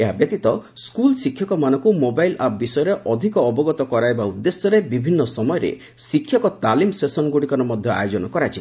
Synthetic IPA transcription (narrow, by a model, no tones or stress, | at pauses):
eɦabjɔt̪it̪ɔ | skulsikʰjɔkɔmanɔŋkumobajlap̚bisɔjɔɾeʔɔd̪ʱikɔːbɔɡɔt̪ɔkɔɾaebaud̪ːesjɔɾebibʱinːɔsɔmɔjɔɾḛ | sikʰːjɔkɔt̪alimsesɔnɡuɽikɔɾɔmɔd̪ʱjɔa̰jod͡ʒɔnɔkɔɾat͡ʃʰi